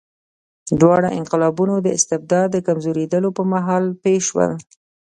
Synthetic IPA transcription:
d̪wɑɽaʔɪnqɪlɑbunod̪əɪst̪ɪb̚d̪ɑd̪ːəkamzoɾed̪əlopəɾmaɦɑlpeʃwə̰l

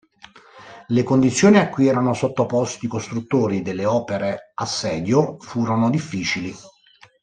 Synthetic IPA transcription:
lekond̪it̪sːjoːniakːwiɛːɾanosot̪ːopɔst̪iːkost̪ɾut̪ːoːɾid̪elːeɔːpeɾeasːɛːd̪jofuːɾonod̪ifːiːt͡ʃili

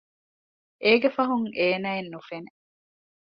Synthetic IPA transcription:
ʔeːɡefɐɦuŋeːnæːenːufene

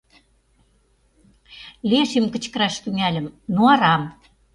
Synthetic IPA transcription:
lieʃemkə̆t͡ɕkə̆ɾɑʃt̪yŋælʲə̆mnoɑɾɑm

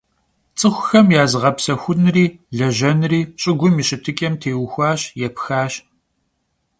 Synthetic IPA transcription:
t͡sʼɨxʷʊxɐmjaːzʁɐpsɐxʷʊnriːɮɐʒɐnriːɕʼɪɡʷʊmiɕʼɪtʰɨkʼɐmtʰeːwxʷɑːɕjɛpxaːɕ

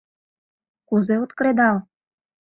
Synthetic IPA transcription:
kuzeot̪kɾed̪ɑl

